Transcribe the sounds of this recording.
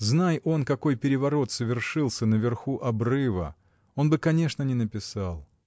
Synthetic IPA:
znajo̞nkɐko̞jpʲɪɾʲɪvɐɾo̞t̪səvʲɪrʂɨlˠsʲənəvʲɪrxuʔɐbrɨvə̰ | o̞nbɨkɐnʲe̞ʂnənʲɪnəpʲɪsalˠ

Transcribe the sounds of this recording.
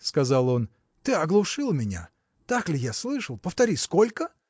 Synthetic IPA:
skɐzalˠo̞n | t̪ɨɐɡlˠʊʂɨlˠmʲɪnʲa̰ | t̪aklʲɪjaslˠɨʂəlˠpəft̪ɐɾʲiskolʲkə

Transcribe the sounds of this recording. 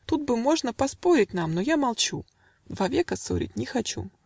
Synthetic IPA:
t̪ut̪̚bɨmo̞ʐnəpɐspoɾʲɪtʲnamnojamɐlˠt͡ɕu | d̪vavʲekəso̰ɾʲɪ̰t̚ʲnʲɪxɐt͡ɕṵ

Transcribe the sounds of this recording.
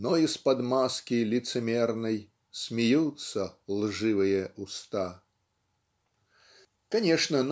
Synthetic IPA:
nɔispɐd̪maskʲilʲit̪sɨmʲɛrnɐj | sʲmʲijut̪sːɐlˠʐɨvɨjɐust̪a | kanʲɛʂnɐn

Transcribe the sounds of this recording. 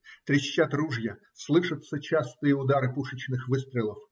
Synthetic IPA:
t̪ɾʲɪɕʲːat̪ɾuʐjɐ | slˠɨʂɐt̪sɐt͡ɕast̪ɨjəʊd̪aɾɨpuʂɐt͡ɕnɪxʋɨst̪ɾʲɪlˠɐf

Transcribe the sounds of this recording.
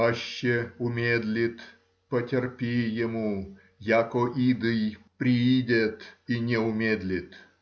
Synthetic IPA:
aɕːeʊmʲed̪lʲɪt̪ | pətʲerpʲijɛmu | jakɔʔid̪ɨjpɾʲiidʲet̪inʲɛʊmʲed̪lʲit̪

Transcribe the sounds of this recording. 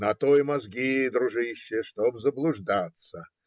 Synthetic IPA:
nɐt̪ojmɐzɡʲid̪ɾʊʐɨɕːɪjəʂt̪obzəblˠʊʐd̪at̪sə

